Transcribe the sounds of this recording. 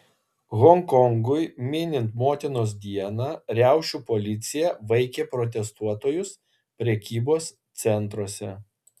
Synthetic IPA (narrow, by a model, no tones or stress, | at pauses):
ɣɔŋkɔŋɡʊjmʲɪnʲɪnt̪moːt̪ʲɪnoːs̬d̪ʲiɛnɑːɾʲæˑʊʃʲupɔlʲɪt̪sʲɪjɛʋɐɪkʲeːpɾɔt̪ʲɛst̪uɔt̪oːjʊs | pʲɾʲɛkʲiːboːs | t̪sʲɛnˑt̪ɾoɔsʲɛ